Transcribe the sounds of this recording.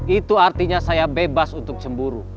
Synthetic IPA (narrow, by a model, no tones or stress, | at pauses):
it̪uart̪iɲasajabebasunt̪ʊk̚t͡ʃəmbuɾu